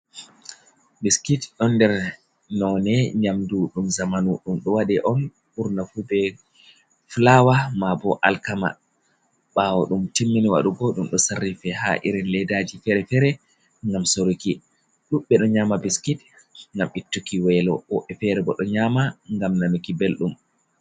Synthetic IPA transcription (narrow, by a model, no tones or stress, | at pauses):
biskitɗɔnːdɛɾ | nɔnɛɲamduɗumzamanuɗumɗɔwaɗɛʔɔn | ɓuɾnafubɛ | flawamabɔʔalkama̰ | ɓawɔɗumtimːiniwa̰ɗuɡɔɗumɗɔsarːifɛha̰ʔḭɾɛnlɛdad͡ʒifɛɾɛfɛɾɛ | ŋɡamsoɾuki | ɗuɓːɛɗɔɲaːmabiskit | ŋɡamʔitːukiwɛlɔwɔʔɛfɛɾɛbɔɗɔɲaːmaŋɡamnanukibelɗum